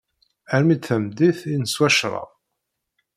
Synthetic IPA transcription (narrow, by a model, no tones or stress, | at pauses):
æɾmid̪θəmd̪iθinəswæʃɾˤɑ̰ðˤ